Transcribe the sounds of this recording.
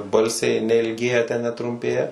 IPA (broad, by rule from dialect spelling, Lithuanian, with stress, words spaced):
ˈbɐlʲsʲɛɪ nʲɛɪlʲˈɡʲeːjɛ tʲɛn nʲɛtrʊmʲˈpʲeːjɛ